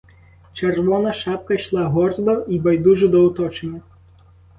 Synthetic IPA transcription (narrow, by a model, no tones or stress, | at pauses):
t͡ʃɛrʋɔnɐʃap̚kɐjʂlˠaɦɔrt̪ʋɐʔibɐjd̪uʐɨd̪ɔwt̪ɔt͡ʃenʲːɐ